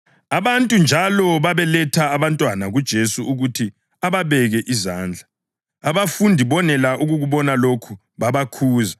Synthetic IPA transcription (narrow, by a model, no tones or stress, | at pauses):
aβantʼund͡ʒʱalɔβaβɛlɛtʰaːβantʼwanaɣud̥ʒ̥ʱesuuɣutʰi | aβaβɛɣɛʔizaːnd͡ɮʱa | aβafundʱiβɔnɛlaʔuɣuɣuβɔnalokʰu | βaβakʰuːza